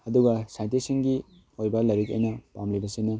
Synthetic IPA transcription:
ɐduɡɐsajntisiŋɡi | ojbɐlɐɾikɐ̰jnɐpamlibɐsinɐ

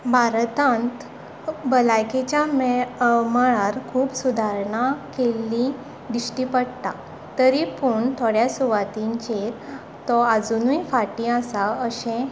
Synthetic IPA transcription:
bʱaɾt̪ãnt̪ | bəlajket͡ɕjamməɭaɾkʰuːpsud̪ʱaɾɳakelːi | d̪isʈipəɽt̪a | t̪əɾipuɳt̪ʰoɽjasuʋat̪iɲt͡ɕe | t̪ɔad͡zunuifaʈĩasaəɕẽ

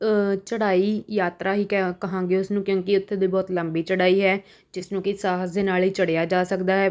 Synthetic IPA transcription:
t͡ʃəɽaːiːjaːt̪ɾaːɦiːkəɦãːŋɡeːʊsnũːkjõːkɪʊt̪ʰːeːd̪iːbɔːt̪ləmbiːt͡ʃəɽaːiːɦɛː | d͡ʒɪsnũːkɪsaːɦsd̪eːnaːlɦiːt͡ʃəɽejaːd͡ʒaːsəkd̪aːɦɛː

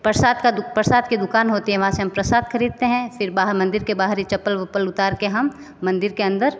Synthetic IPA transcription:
pɾəsaːd̪kapɾəsaːd̪kid̪ʊkaːnɦoːt̪iɦɛ̃ʋɐɦãseɦɐmpɾɐsaːd̪xɐɾiːd̪̚t̪eɦɛ̃fɪɾbaɦmɐ̃nd̪ɪɾkebaːɦɾit͡ʃɐpːəlʋɐpəlʊt̪aːɾkeɦɐmː | ɐ̃nd̪ɪɾkeɐ̃nd̪əɾ

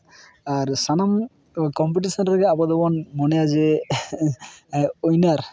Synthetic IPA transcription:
aɾsanam | kɔmpiʈisɔnɾɛɡɛabɔd̪ɔbɔnmɔnɛjazɛ | ojnaɾ

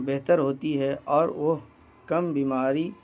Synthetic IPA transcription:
bɛɦt̪əɾɦoːt̪iɦɛʔɔːɾʋoɦ | kɐmbiːmaːɾi

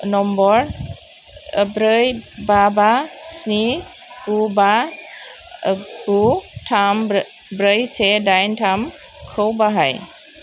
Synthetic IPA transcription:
nɔmbɔɹ | bɾəjbabasni | kuba | ɡutʰam | bɾəjsɛdajntʰam | kʰowbaɦaj

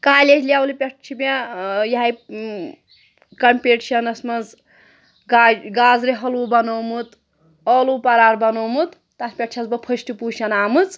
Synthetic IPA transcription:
kaːlʲed͡ʒlʲaːwlipʲeʈt͡ʃʰibejɐɦaj | kɐmʲpʲeʈt͡ʃʰɐnɐsmɐt͡s | aɡaːzɾiɦɐluːbɐnoːmut̪ | ɔluːpɐɾaːɾbɐnoːmut̪ | t̪asʲpʲeʈt͡ʃʰɐzbɐpʰɐʃʈipuʃɐnaːmɨt͡s

